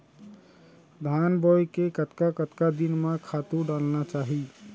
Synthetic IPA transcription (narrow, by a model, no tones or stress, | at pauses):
d̪ʱanbɔjkekət̪kakət̪kad̪inmãkʰat̪uɖalnat͡ʃaːɦi